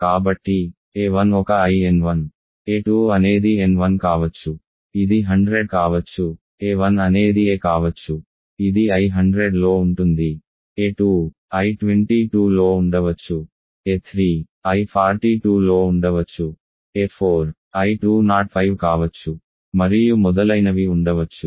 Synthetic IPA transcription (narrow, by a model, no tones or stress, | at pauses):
kaːbɐʈːi | eːʋɐnɔkɐɐjenʋɐn | eːʈuːɐne̞ːd̪ienʋɐnkaːʋɐt͡ʃːu | id̪iɦɐɳɖɾeɖkaːʋɐt͡ʃːu | eːʋɐnɐne̞ːd̪ieːkaːʋɐt͡ʃːu | id̪iɐjɦɐɳɖɾeɖlo̞ːuɳʈund̪i | eːʈuː | ɐjʈʋeɳʈiʈuːlo̞ːuɳɖɐʋɐt͡ʃːu | eːt̪ʰɾiː | ɐjpʰaːɾʈiːʈuːlo̞ːuɳɖɐʋɐt͡ʃːu | eːpʰoːɾ | ɐjʈuːnaːʈ̚pʰɐjʋkaːʋɐt͡ʃːu | mɐɾijumɔd̪ɐlɐjnɐʋiuɳɖɐʋɐt͡ʃːu